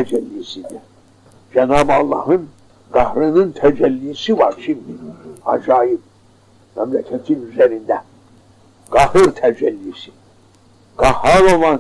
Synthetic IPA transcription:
æd͡ʒælːisid̪i | d͡ʒænɑːbɑlˠːɑ̰hɯn | ɡ̥ɑhɾɯnɯnt̪ʰæd͡ʒælːijsivɑ̰ɾʃimd̪iɑ̰d͡ʒɑːjib̚ | mæmlækʰæt̪ʰinyzæɾind̪æ | ɡ̥ɑhɯɾt̪ʰæd͡ʒælːisi | ɡ̥ɑhɾɑlolˠɑn

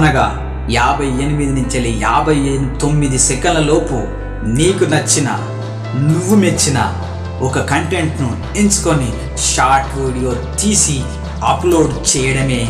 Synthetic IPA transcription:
ɐnɐɡa̰ː | jaːbʱɐjenimid̪inuɲt͡ʃɐlijaːbʱɐjent̪o̞mːid̪isɛkɐnlɐloːpṵ | niːkunɐt͡ʃːinɐ̰ | nuʋːumet͡ʃːinɐ̰ | ɔkɐkɐɳʈeɳʈnu | ent͡ʃu̥koni | ʃaːɾʈɾiːɽijoːt̪iːsi | ɐploːɖt͡ʃɛːjɐɽɐmeː

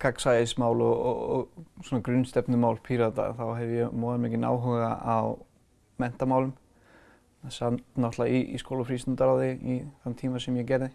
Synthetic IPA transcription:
kʰaksajesmaːwlɔ̰ɔswɔnakɾʏnst̪ɛpnʏmaːwlpʰiːɾat̪a̰θawɦɛvɪjɛmɔːðamɛcɪna̰ːwɦʏɣa̰aw | mɛn̥t̪amaːwlʏm | ɛsat̪nɔht̪laiḭskoːwlafɾist̪ʏnt̪aɾawðɪiθant̪ʰiːmasɛmjɛcɛːɾðɪ

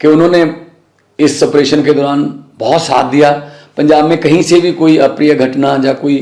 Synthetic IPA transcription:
keʊnɦõːne | ɪsɐpɾeːʃənked̪ɔːɾaːnbɔːt̪sa̰ːt̪d̪ijapɐ̃ɲd͡ʒaːbmẽkɐɦĩsebʱikoːiɐpɾijəɡʱɐʈnad͡ʒaːkoːi

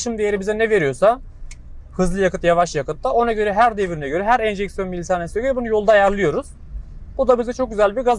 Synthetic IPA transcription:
ʃɯmd̪ejeɾibizɛnɛve̞ɾijo̞sa | hɯzlˠɯjakɯt̪javaʃjakɯt̪ːaʔo̞naɟø̞ɾɛɦæɾd̪evɾinɛɟø̞ɾɛɦæɾɛnʒɛcsijo̞nmilʲit̪ʰaːnnsøjbunujo̞lˠd̪ajæɾlˠɯjo̞ɾuz̥ | bud̪abizɛt͡ʃʰo̞k̚ɟyzælʲbiɾɡaz

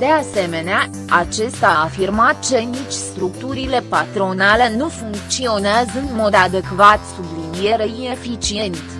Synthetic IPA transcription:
d̪̥e̞ase̞me̞nea | at͡ʃe̞st̪aːfirmat̪̚t͡ʃe̞nit͡ʃʲst̪ɾukt̪uɾile̞pat̪ɾo̞nale̞nufuŋk̚t̪sio̞neazəɨnmo̞d̪ad̪e̞kvat̪sublinie̞ɾəine̞fit͡ʃie̞nt̪

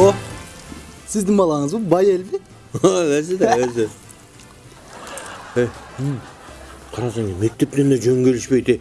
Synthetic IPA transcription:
o | sɪzd̪ɪŋbɑlˠɑŋəzbobɑjelbe | alæs̬ed̪eæse | ejm | qʰɑɾɑsɑŋɡemek̚t̪e̞p̚t̪e̞nd̪eʒøŋɡʲe̞lɪʃpejt̪ej

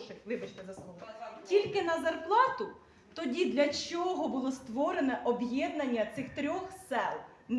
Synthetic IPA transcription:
ʃɪɪbɐt͡ʃnʲɪzɐsˠuɦtʲilʲkɪnɐzɐrplˠɑt̪ʊ | t̪ɔdʲid̪lʲɐt͡ʃɔɦɔbʊlˠɔst̪ʋɔɾenɛʔɔbjɛd̪nɐnʲːɐt̪sɪxt̪ɾʲɔxsɛlˠ | n

